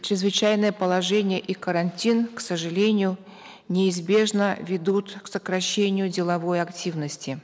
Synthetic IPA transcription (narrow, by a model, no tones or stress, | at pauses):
t͡ɕʲɾʲɪzvɨt͡ɕæjnɨjəpəlˠɐʐɛnʲɪjəʔikəɾɐnʲtʲinksəʐɨlʲenʲɪjʊ | nʲɪɪzbʲe̞ʐnəvʲɪd̪ut̪ksəkɾɐɕːenʲɪjʊdʲɪlˠɐvo̞jɐktʲivnəsʲtʲɪ